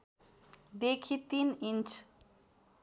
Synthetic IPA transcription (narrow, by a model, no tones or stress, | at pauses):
d̪ekʰit̪inint͡ʃ